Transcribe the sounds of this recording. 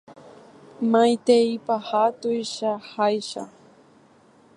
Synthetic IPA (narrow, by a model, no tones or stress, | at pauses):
majt̪eipahat̪ʊjʃahajʃa̰